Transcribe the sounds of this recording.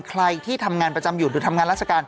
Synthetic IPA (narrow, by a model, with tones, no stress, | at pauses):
kʰɾa˧jt̪ʰiː˥˩t̪ʰa˧mŋaː˧npɾa˧t͡ɕa˧mju˨˩duː˨˧˩t̪ʰa˧mŋaː˧nɾaː˥˩t̚sʰa˧kaː˧n